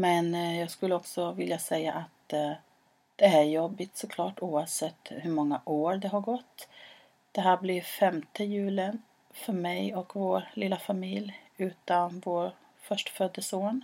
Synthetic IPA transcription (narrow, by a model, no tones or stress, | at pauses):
mɛnjɑːɡskɵlːəɔksɔvɪljasɛjːa̰ʔat̪ | d̪̥ɛæɾjɔbːɪt̪sɔkʰlɑːʈuːavsɛt̪ːhɵɾmɔŋːaʔoːɾd̪ɛɦaɾɡɔt̪ː | d̪̥ɛɦæːɾblɪɾfɛmt̪əjʉ̟ːlɪən | fœɾmɛjɔkvoːɾlɪlːafamɪlj | ʉ̟ːt̪anvoːɾ | fœʂʈfœd̪ːəsoːn